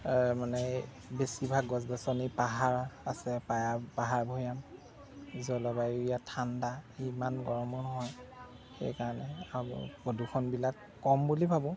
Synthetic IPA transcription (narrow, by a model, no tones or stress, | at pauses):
manɛ | besibʱaɡɔzdɔsɔnipaɦaɹasɛpajapaɦaɹbʱojam | zɔlɔbajuijatʰandaimanɡɔɹɔmɔnɔɦɔj | xḛjkaɹɔnɛa̰podʱukʰɔnbilakːɔmbulibʱabʊ̃